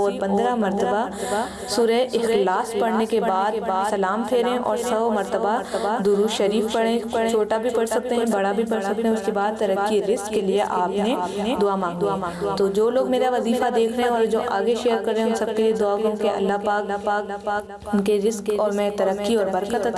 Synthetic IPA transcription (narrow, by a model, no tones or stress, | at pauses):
ɔːɾpɐ̃nd̪ɾamɐɾt̪əba | suːɾəeʔɪxlaːspɐɽnekebaːd̪baːsɐlaːmpʰeːɾɦɛ̃ʔɔːɾsɐmɐɾt̪əbad̪ʊɾuʃɐɾiːfpɐɽeɐɽ̃t͡ʃʰoːʈabʱipɐɽsɐk̚t̪eɦɛ̃bɐɽabʱipɐɽsɐk̚t̪ẽɦɛ̃ʊskebaːd̪̚t̪ɐɾəkːiɾɪskːelieʔaːpnened̪ʊaːmãːŋd̪i | t̪oːd͡ʒoːloːɡmeːɾaʋɐziːfad̪eːkʰɾɐɦɛ̃ɔːɾd͡ʒoːʔaːɡeʃejəɾkɐɾːeɦɛ̃ʊ̃nsɐb̚kelied̪ʊaːkõkeɐ̰lːaɦpaːkaːk | ʊnkeɾɪskɔːɾmɛ̃t̪ɐɾəkːiɔːɾbɐɾkət̪ː